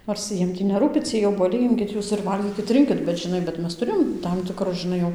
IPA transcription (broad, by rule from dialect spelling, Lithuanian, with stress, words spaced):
noːrs ˈjiɛm tʲiː nʲɛˈruːpʲɪ ˈt͡sʲiɛj oːbuɔˈlʲɛɪ ˈɪmʲkʲɪt ˈjuːs ɪr ˈʋɐlʲɡʲiːkʲɪt ˈrʲɪŋʲkʲɪt bʲɛt ʒʲɪˈnɐɪ bʲɛt ˈmʲɛs tʊˈrʲeːjoːm ˈtɐm tʲɪkˈrʊs ʒʲɪˈnɐɪ jɛʊ